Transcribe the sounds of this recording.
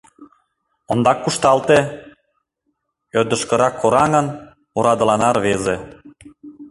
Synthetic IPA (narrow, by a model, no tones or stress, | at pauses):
ond̪ɑkːuʃt̪ɑlt̪e | ød̪ə̆ʃkə̆ɾɑkʰːoɾɑŋən | oɾɑd̪ə̆lɑnɑrβeze